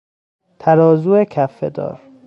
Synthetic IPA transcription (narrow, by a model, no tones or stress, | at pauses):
t̪ʰæɾɒːzuːekʰæfːed̪ɒ̰ːɾ